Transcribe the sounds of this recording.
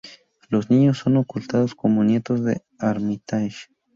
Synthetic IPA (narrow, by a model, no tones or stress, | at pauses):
losniɲosːonokult̪aðoskomonjet̪ozðḛ | aɾmit̪aʃ